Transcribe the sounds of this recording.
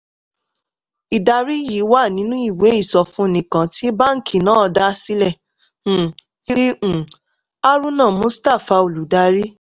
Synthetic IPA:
i˨da˧ɾi˦jiː˨˦wa˦˨nĩ˨˦nũ˦i˦˨we˨˦i˦˨sɔ˧fũ˨˦nĩ˨kã˨ti˦ba˦ŋ̩˦kʰi˨nãː˦ɔ˧da˦si˦lɛ̃˦˨ | i˦ɾĩ˦˨ | a˦ɾũ˦nã˦˨mõ˨˦sta˦˨fa˧o˨lu˨da˧ɾi˦

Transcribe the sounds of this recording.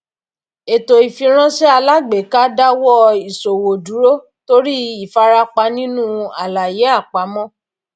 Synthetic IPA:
e˨to˨i˨fĩ˧ɾ̃ã˦ʃɛ˦a˧la˦ɡ͡be˨˦ka˦da˦wɔ˦i˨so˨wo˨du˨˦ɾo˦ | to˦ɾi˦i˦˨fa˧˦ɾa˧k͡pa˧nĩ˦nũ˦a̰˨la˨je˨˦a˦˨k͡pa˨˦mɔ̃˦

